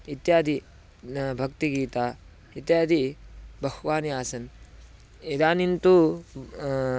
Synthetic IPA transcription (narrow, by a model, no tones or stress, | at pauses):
it̪jaːd̪ʱi | bʱɐk̚t̪iɡiːt̪aː | it̪jaːd̪ʱibʱɐɦuʋaːnijaːsɐn | id̪aːnint̪u